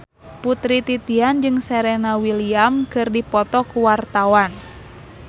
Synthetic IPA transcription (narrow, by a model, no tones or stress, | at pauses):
put̪ɾit̪it̪iand͡ʒɨŋsɛɾɛnawiliamkɨrdipɔt̪ɔkuwart̪awan